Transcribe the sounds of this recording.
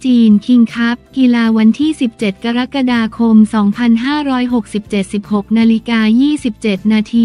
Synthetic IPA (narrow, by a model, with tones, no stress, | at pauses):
t͡ɕiː˧nkʰi˧ŋkʰa˦˥p̚ki˧laː˧wa˧nt̪ʰiː˥˩si˨˩p̚t͡ɕe˨˩t̪̚ka˧ɾa˦˥ka˧daː˧kʰo˧msɔː˩˦ŋpʰa˧nɦaː˥˩ɾɔː˦˥jɦo˨˩k̚si˨˩p̚t͡ɕe˨˩t̪̚si˨˩p̚ho˨˩k̚naː˧li˦kaː˧jiː˥˩si˨˩p̚t͡ɕe˨˩t̪̚naː˧t̪ʰiː˧